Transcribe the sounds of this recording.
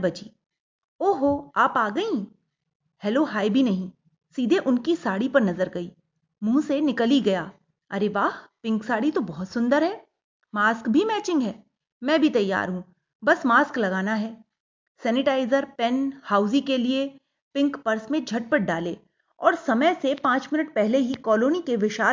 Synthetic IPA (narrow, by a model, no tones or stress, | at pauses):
bɐd͡ʒiː | oːɦoaːpaːɡɐĩ | hɛloːɦaːjbʱinɐɦĩ | siːd̪ʱeʔʊnkisaːɽipɐɾnɐzəɾɡɐiː | mũːsenɪkəliɡɐjaː | ɐɾeʋaːɦpɪ̃ŋksaːɽit̪obɔɦʊt̪sʊ̃nd̪əɾɦɛː | maːskbʱimɛːt͡ʃɪ̃ŋɡɦɛː | mɛ̃ːbʱit̪ɐjːa̰ːɾɦũ | bɐsmaːsklɐɡaːnaɦɛː | sɛːnɪʈaːɪzəɾpɛnhaːʊzikelie | pɪ̃ŋkpɐɾsmẽd͡ʒʱɐʈ̚pəʈ̚ɖaːlḛː | ɔ̰ːɾsɐməjsepãːt͡ʃmɪnəʈpɛɦleɦikɔːloːnikeʋɪʃaː